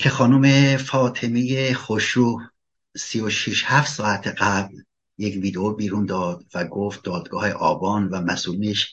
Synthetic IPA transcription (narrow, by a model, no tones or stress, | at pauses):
cʰe̞xɒːnumefɒːt̪ʰemijexoʃɾu | sijoʃiʃhæft̪sɒːæt̪ʰeɢæbl | jekviːd̪eobiːɾund̪ɒːd̪væɡoft̪̚d̪ɒːd̪ɡɒːheʔɒːbɒːnvæmæsulineʃ